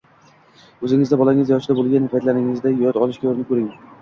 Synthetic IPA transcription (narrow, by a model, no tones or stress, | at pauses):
ɵzɪŋɪzd̪abɒlˠaŋɪzjɒʃɪd̪abolˠɡʲanːɪfat̪laɾɪŋɪzd̪ajɒt̪ɒlɪʃkʲɡʲaoɾɪnɪkʰɵɾɪŋ